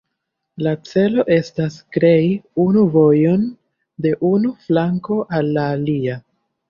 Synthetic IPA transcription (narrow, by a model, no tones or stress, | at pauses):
lat͡se̞lo̞ʔe̞staskɾe̞jiunuvo̞jo̞n | de̞ʔunuflaŋko̞ʔalːaːlia